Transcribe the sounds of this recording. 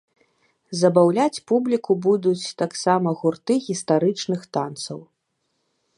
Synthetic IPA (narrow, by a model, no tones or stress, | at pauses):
zɐbawlʲat͡sʲpublʲikubud̪ut͡sʲt̪aksamɐɣurt̪ɨɣʲist̪aɾɨt͡ʂnɨxt̪ant̪sɐ̰w